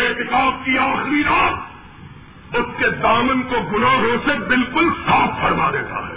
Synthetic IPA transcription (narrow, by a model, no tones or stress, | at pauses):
eːt̪ɪkaːb̚kiaːxɾiɾaːt̪ | ʊsked̪aːmənkoɡʊnaːɦõsebɪlkʊlsaːpːɐɾmad̪eːt̪a̰ɦɛː